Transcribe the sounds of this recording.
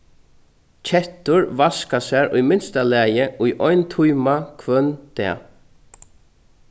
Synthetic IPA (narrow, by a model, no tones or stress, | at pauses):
t͡ʃʰɛht̪ʊɹvaskasɛːɹʊjmɪnst̪alɛːjɪʔʊjʔɔʏnt̪ʰujmakʰvœnt̪ɛ̰ː